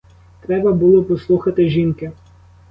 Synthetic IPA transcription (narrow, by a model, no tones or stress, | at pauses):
t̪ɾɛbɐbʊlˠɔpɔslˠuxɐt̪ɪʒʲinkɪ